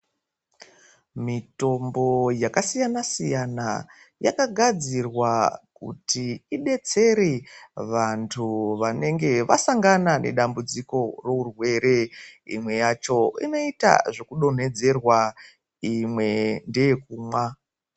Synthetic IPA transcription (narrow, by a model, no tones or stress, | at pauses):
mito̞mbo̞jakasijanasijana̰ | jakaɡʱad͡zirwakṵtʰiːɗe̞t͡se̞ɾeʋantʰuʋane̞ŋɡe̞ʋa̰saŋɡanane̞̰ɗambud͡ziko̞ro̞urwe̞ɾe̞ḭmwe̞jat͡ʃo̞ḭno̞ita̰ʐekuɗo̞n̤e̞d͡ze̞rwa | imwe̞nde̞jek̚uːmwa